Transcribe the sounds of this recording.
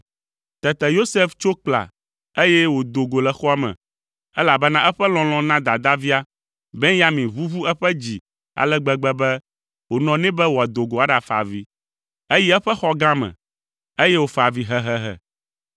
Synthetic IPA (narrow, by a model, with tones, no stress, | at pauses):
t̪ɛ˨t̪ɛ˨jo˦se˦ft͡ʃo˦k͡pla̰˨ | e˦jɛ˦wo˨d̪o˨ɡo˨lɛ˨xɔ˦a˦mɛ̰̃˨ | ɛ˦la˨bɛ˦nã˦ʔɛ˦ɸɛ˦lɔ̃˨lɔ̃˨nã˦d̪a˨d̪a˦vi˦a˦ | bɛ̃˦ja˦mĩ˨βu˦vu˦ɛ˦ɸɛ˦d͡ʑi˨ | a̰˨lɛ˦ɡ͡bɛ˨ɡ͡bɛ˦bɛ˦ | wo˨nɔ̃˨nɛ̃˦bɛ˦wo˨a˨d̪o˨ɡo˨a˦ɖa˨fa̰˨vi˦ | e˦ji˦ɛ˦ɸɛ˦xɔ˦ɡã˦mɛ̰̃˨ | e˦jɛ˦wo˨fa˨vi˦ɦɛ˦ɦɛ˦ɦɛ̰˨